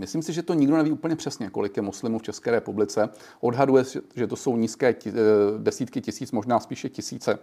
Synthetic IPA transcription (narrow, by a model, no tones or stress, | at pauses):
mɪsliːmsɪʒɛt̪o̞ɲɪɡdonɛviːʔuːpl̩ɲɛpr̝̥ɛsɲɛkolɪkjɛmoslɪmuːft͡ʃɛskɛːɾɛpublɪt͡sɛ | ʔo̞dɦadujɛʒɛt̪oso̞wɲiːskɛːdɛsiːt̪kɪcɪsiːt͡smo̞ʒnaːspiːʃɛcɪsiːt͡sɛ